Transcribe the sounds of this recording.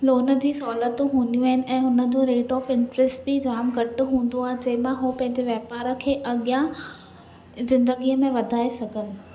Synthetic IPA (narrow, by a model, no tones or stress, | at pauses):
loːnə̆d͡ʑiːsɔːlət̪ũɦũːnd̪ijũaɦɪnɪ̆ʔɛ̃ːɦʊnə̆d͡ʑoːɾeːʈɔːfɪ̃ɳʈɾɛsʈbid͡ʑaːmɡʱɐʈʊ̆ɦũːnd̪oaːɦed͡ʑɐɦɪ̃mãɦoːpɐ̃ɦɪ̃ɲd͡ʑeʋjɐɦpaːɾə̆kʰeːʔɐɠijã | zɪ̃nd̪əɡiəmẽʋɐd̪ʱaːesɐɡʱənɪ̆